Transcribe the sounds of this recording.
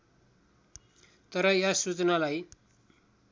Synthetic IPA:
t̪ʌɾʌjasut͡sʌnalaj

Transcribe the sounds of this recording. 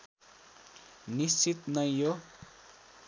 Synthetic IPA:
nist͡sit̪nʌjjo

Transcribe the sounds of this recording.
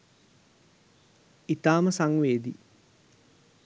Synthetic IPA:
it̪aːməsaŋʋeːd̪ḭ

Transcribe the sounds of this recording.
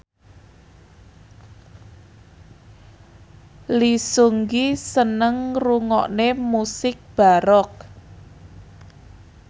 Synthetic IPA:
lisuŋɡisənəŋruŋɔ̰ʔnemusɪk̚b̥a̤ɾɔk̚

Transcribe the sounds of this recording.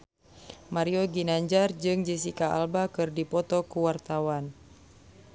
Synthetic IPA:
maɾiɔɡinaɲd͡ʒard͡ʒɨŋd͡ʒisikaa̰lbakɨrdipɔt̪ɔkuwart̪awan

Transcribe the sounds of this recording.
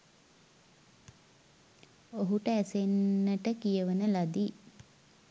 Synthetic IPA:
oɦuʈəæsenːəʈəkijəʋənəlad̪i

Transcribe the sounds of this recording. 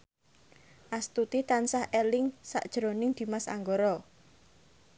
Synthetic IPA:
ʔast̪ut̪it̪ansahʔelɪŋsa̰ʔd̥ʒ̥ɾonɪŋd̪̥i̤masa̰ŋɡoɾɔ

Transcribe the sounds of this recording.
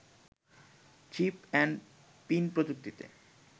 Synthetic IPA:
t͡ɕipɛɳɖ | pinpɾod͡ʑ̪uk̚t̪it̪ḛ

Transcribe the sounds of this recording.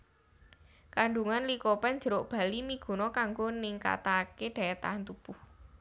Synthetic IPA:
kaɳɖuŋanlikopɛn̥d͡ʒ̥ə̤ɾoʔb̥a̤limiɡ̥ṳnɔkaŋɡonɪŋka̰t̪akeɖ̪̥a̤et̪a̰ɦant̪ub̥uh

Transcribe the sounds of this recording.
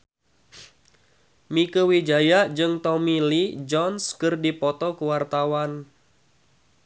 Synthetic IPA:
mikəwid͡ʒajaʔd͡ʒɨŋt̪ɔmilid͡ʒɔnskɨrdipɔt̪ɔkuwart̪awan

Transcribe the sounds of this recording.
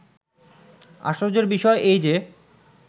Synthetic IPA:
a̰ʃoɾd͡ʑeɾbiʃɔeʔejd͡ʑe

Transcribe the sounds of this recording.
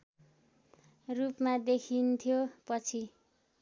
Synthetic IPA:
rupmad̪ekʰint̪ʰijopʌt͡sʰi

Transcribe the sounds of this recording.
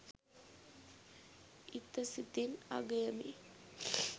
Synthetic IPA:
it̪ɐsit̪ina̰ɡɐjɐmḭ

